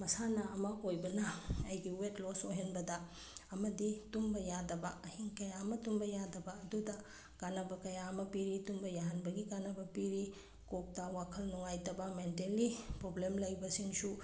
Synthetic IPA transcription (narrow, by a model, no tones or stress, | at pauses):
mɐsanɐɐmɐojbɐnɐɐjɡiwetlosojɦenbɐdɐ | ɐmɐditumbɐjadɐbɐɐhiŋkɐjamɐtumbɐjadɐbɐɐdudɐ | ɡ̥anɐbɐkɐjamɐpiɾitumbɐjaɦɐnbɐɡiɡanɐbɐpiɾi | kok̚tɐwakʰɐlnuŋajtɐbɐmentelːipɾoblemlɐjbɐsiŋsu